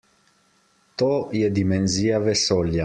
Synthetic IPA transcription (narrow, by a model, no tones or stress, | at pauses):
t̪ojɛd̪imenziːavesɔlja